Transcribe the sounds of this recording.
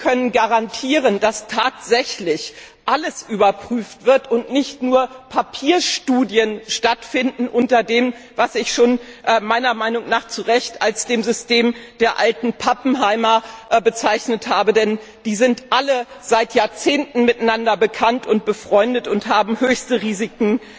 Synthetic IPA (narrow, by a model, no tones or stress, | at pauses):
kʰœnənɡaʁantʰiːʁənd̥astʰaːtz̥ɛçlɪç | ʔaləsʔyːbɐpʁ̥yːftv̥ɪɐtʊntnɪçtnuːɐpʰapʰiːɐʃtuːdjənʃtatfɪndn̩ʔʊntɐdeːmvasɪçʃoːnʔmaɪnɐmaɪnʊŋnaːχt͡suʁɛçtalsd̥eːmzʏstʰeːmd̥eːɐʔaltn̩pʰapm̩ɦaɪmɐbət͡saɪçnəthaːbədɛn | d̥iːzɪntʔaləz̥aɪtjaːɐt͡seːntn̩mɪtanandɐbəkʰantʰʊnt̚b̥əfʁ̥ɔʏndətʊnthaːbm̩høːçstəʁiːzikŋ̩